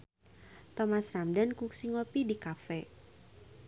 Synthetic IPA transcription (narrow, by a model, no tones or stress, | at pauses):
t̪ɔmasramdankuksiŋopidikafɛ